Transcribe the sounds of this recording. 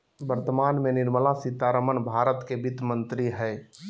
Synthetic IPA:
bəɾt̪əmaːnmenɪɾməlasit̪aɾəmənbʱaːɾət̪kebɪt̪mə̃nt̪ɾiɦɛː

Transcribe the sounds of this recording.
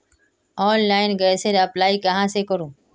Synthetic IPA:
ɔːnlaːɪnɡəːseɾəplaːikəɦãsekəɾũː

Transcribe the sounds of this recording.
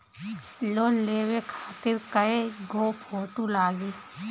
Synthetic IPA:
loːnleːwekʰaːt̪ɪɾkəeɡʱoːpʰoːʈulaːɡeː

